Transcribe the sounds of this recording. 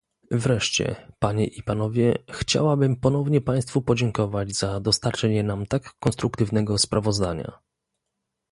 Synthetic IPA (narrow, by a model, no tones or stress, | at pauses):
vɾɛʂt͡ɕɛ̰paɲɛʔipanɔvʲjɛxt͡ɕa̰wabɘmpɔn̪ɔvɲɛpaj̃st̪fupɔd͡ʑɛŋkɔvad͡ʑzad̪ɔst̪aɾt͡ʂɛɲɛnamt̪akːɔnst̪ɾukt̪ɘvnɛɡɔspɾʔavɔzd̪aɲa̰